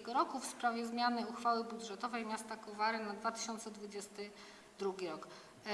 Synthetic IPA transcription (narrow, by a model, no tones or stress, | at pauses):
ɡɔɾɔkufspɾavʲjɛzmʲjanɘuxfawɘbud̪ʐɛt̪ɔvɛjmʲjast̪akɔvaɾɘnad̪vat̪ɘ̥ɕɔnt̪sɛd̪vud͡ʑɛst̪ɘ | d̪ɾuɡʲiɾɔk